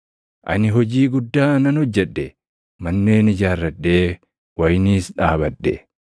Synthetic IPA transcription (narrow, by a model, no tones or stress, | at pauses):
ʔɐ̰nɪɦɔd͡ʒiːɡʊd̪ːaːnɐnɔd͡ʒːɛᶑːɛ | mɐnːe̞ːnɪd͡ʒaːrːɐdːeː | wɐjniːsᶑaːbɐᶑːɛ